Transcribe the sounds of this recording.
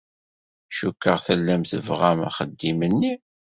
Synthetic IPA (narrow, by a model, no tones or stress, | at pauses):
ʃukːəʁθəlːæmθəvʁamæ̰χəd̪ːimənːi